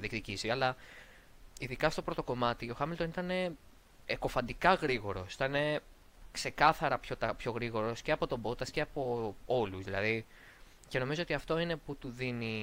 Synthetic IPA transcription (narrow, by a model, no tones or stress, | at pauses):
ðikt̪icisiɐlɐ | iðikɐst̪o̞pɾo̞t̪o̞ko̞mɐt̪ioxɐmilt̪onit̪ɐne̞ | eko̞fɐnd̪ikɐɣɾiɣo̞ɾo̞si̥t̪ɐne̞ | kse̞kɐθɐɾɐpço̞t̪ɐpço̞ɣɾiɣo̞ɾo̞sceɐpo̞t̪o̞bo̞t̪ɐsceɐpo̞o̞luzðilɐði | ce̞no̞mizo̞o̞t̪iɐft̪o̞ine̞put̪uðini